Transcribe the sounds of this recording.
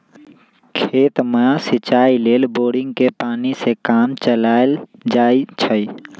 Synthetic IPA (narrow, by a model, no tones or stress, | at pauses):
kʰeːt̪məasɪt͡ʃaːileːlboːɽɪ̃ŋɡkepaːnisekaːmt͡ʃəlaːld͡ʒaːit͡ʃʰəi